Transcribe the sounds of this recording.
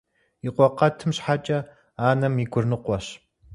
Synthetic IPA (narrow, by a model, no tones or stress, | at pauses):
iqʷɔqɐtʰɨmɕħat͡ʃʼɐ | aːnɐmiɡʷʊrnɨqʷɔɕ